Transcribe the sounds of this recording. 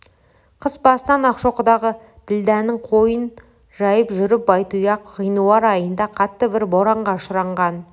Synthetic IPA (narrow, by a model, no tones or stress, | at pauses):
qʰəsbɑsənɑnɑqʃoqəd̪ɑʁə | d̪̥ɪld̪ænɪŋqʰo̞jən | ʒɑjəpʒʏɾɪp̚bɑjt̪ujɑqʁijnulˠɑɾɑjənd̪ɑqʰɑt̪ːəbɪɾbo̞ɾɑɴʁɑʃəɾɑɴʁɑn